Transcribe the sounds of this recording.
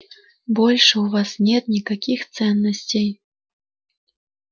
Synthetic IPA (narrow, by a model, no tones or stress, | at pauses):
bɔlʲʂwvasnʲɛt̪nʲikakʲixt̪sɛnːɐsʲt͡sʲej